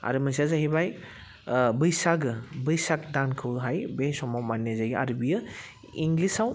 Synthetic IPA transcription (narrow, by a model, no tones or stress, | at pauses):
a̰ɾɯmas̬azaɦibaj | bɯjsaɡɯbɯjsak̚dankʰɯwɦajbesɔmɔmanːezaja̰ɾɯbijɯ | iŋɡlisaw